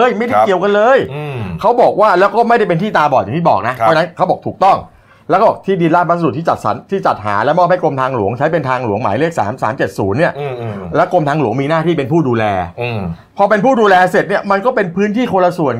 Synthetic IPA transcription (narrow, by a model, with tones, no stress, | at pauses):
jma˥˩jta˥˩ki˨˩əwka˧nlɤː˧jkʰa˦˥wbɔː˨˩k̚waː˥˩lɛː˦˥wkɔː˥˩ma˥˩jɾa˥˩jp̬e˧nt̪ʰiː˥˩t̪aː˧bɔː˨˩t̪ja˨˩ŋt̪iː˥˩bɔː˨˩k̚na˦˥ʔʰɔː˦˥a˧na˦˥nkʰa˦˥wbɔː˨˩k̚t̪ʰuː˨˩k̚t̪ɔ˥˩ŋ | lɛ˦˥kʰɔ˥˩ɔː˨˩k̚t̪ʰiː˥˩di˧nlaː˥˩pʰa˦˥sa˧˨˩t̪ʰiː˥˩t͡ɕa˨˩t̪̚sa̰˩˦nt̪ʰiː˥˩t͡ɕa˨˩t̪̚ɦa̰ː˩˦lɛ˦˥wmɔː˥˩p̚ha˥˩jko˧mt̪ʰaː˧ŋlu˩˦əŋt͡ɕʰa˦˥jpe˧nt̪ʰaː˧ŋlu˩˦əŋmaː˩˦jleː˥˩k̚sa̰ː˩˦msa̰ː˩˦mt͡ɕe˨˩t̪̚suː˩˦nːi˥˩əlɛ˦˥wko˧mt̪ʰaː˧ŋlu˩˦əŋmiː˧naː˥˩t̪ʰiː˥˩pe˧npʰuː˥˩duː˧lɛː˧ | pʰɔː˧pe˧npʰuː˥˩duː˧lɛː˧se˨˩t̪̚ni˥˩ɐma˧nkɔː˥˩pe˧npʰɯː˦˥nt̪ʰiː˥˩kʰo˧la˧su˨˩ən